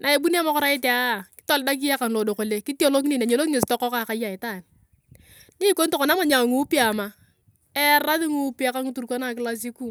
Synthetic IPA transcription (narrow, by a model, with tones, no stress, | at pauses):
nʔa˨e˨bu˦n˦a˦ma˦kɔ˦ɾa˦ɪ˦te˨a˦˨kɪ̥˦ta˦˨lda˦k̬i˦ja˦ka˨nlo˨do˨ko˨le˨ki˦ti˦o˦lo˦kni˦˨na˨ɲe˨lo˦kŋe˨stɔ˦kɔ˦ka˨ka˨˦ja˨ɪ˨ta˦˨n | ni˦ko˦nto˨ko˨na˦ma˨ɲa˨ŋu˦pi˦a˨ma˨ | ɛ˦ɾa˦ðɪ˦ŋu˦pi˦a˦ka˦ŋu˦tu˨ɾko˦na˦˨kɪ˦la˦s̬i˦ku˦